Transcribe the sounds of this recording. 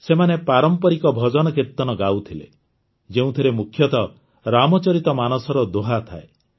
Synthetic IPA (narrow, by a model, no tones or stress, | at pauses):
semanepaɾɔmpɔɾikɔbʱɔd͡ʒɔnɔkiɾt̪ɔnɔɡawt̪ʰilḛ | d͡ʒeũt̪ʰiɾemukʰːjɔt̪ɔ | ɾamɔt͡ʃɔɾit̪ɔmanɔsɔɾɔd̪oɦat̪ʰa̰e